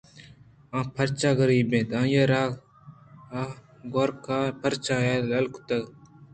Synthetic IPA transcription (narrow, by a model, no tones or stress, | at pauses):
ãːpʰəɾt͡ʃaːɡəɾiːbẽːt̪ãːjeːɾaː | a | ɡoːɾkaːpʰəɾt͡ʃãːeːlɐlkt̪ɐɡ